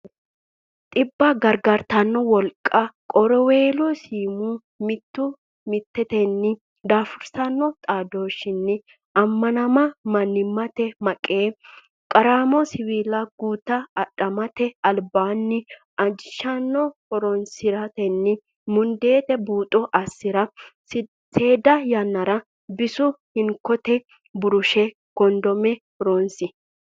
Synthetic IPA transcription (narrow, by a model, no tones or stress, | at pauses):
t̪ʼɪbːɐɡɐɾɡɐɾt̪ɐnːɔwɔlkʼːɐkʼɔɾɔweːlɔsiːmu | mɪt̪ːʊ | mɪt̪ːɛt̪ɛnːɪ | d̪aːfʊɾsɐnːɔt̪ʼaːd̪o̞ːʃɪnːɪ | ɐmːɐnɐmɐmɐnːɪmːɐt̪ɛmɐkʼːeː | kʼɐɾaːmɔsɪwiːlɐɡ̥uːt̪ːɐɐᶑʼɐmɐt̪ɛɐlbaːnːɪ | ʔɐd͡ʒɪʃɐnːɔhɔɾɔnsɪɾɐt̪ɛnːɪ | mʊnd̪e̞ːt̪ɛbuːt̪ʼːɔʔɐsːɪɾɐ | seːd̪ɐjɐnːɐɾɐ | bɪsʊhɪŋkːɔt̪ɛ | bʊɾʊʃɛ | ɡ̥ɔnd̪ɔmɛhɔɾonsɪ